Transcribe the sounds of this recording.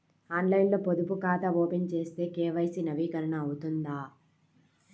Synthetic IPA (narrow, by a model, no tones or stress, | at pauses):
aːnlɐjnlo̞ːpod̪upukaːt̪ɐoːpint͡ʃe̞ːst̪e̞ːkeːʋɐjsinɐʋiːkɐɾɐɳɐːwut̪und̪aː